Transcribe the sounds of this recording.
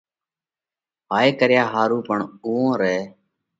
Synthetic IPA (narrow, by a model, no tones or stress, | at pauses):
baːeːkəɾjaːɦaːɾuːpəɳɡuːõːɾɛː